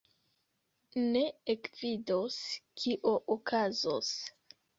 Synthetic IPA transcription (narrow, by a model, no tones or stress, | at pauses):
ne̞ekvidoskʰiʔoʔokʰazo̰s